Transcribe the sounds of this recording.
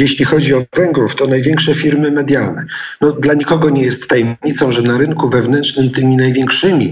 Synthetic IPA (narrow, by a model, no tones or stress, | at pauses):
jeɕlʲixɔd͡ʑiɔvɛŋɡɾuft̪ɔnajvʲjeŋkʂɛfʲiɾmɘmɛd̪ʲjalnɛnɔd̪laɲikɔɡɔɲɛjɛst̪ːajɛmɲit̪sɔ̃w̃ʐɛnaɾɘŋkuvɛvnɛntt͡ʂnɘmt̪ɘmʲinajvʲjeŋkʂɘmʲi